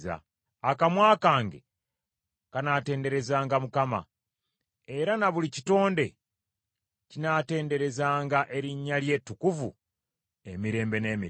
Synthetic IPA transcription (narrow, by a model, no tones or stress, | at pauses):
za̰ | akamwaːkaːŋɡe̞̰ | kanate̞ːnde̞ɾe̞zaːŋɡamukama̰ | e̞ɾanaβulici̥to̞ːnde̞ | cinaːte̞ːnde̞ɾe̞zaːŋɡaʔe̞ɾiɲːalje̞ːtːukuvṵ | emiɾe̞ːmbe̞ne̞ːmi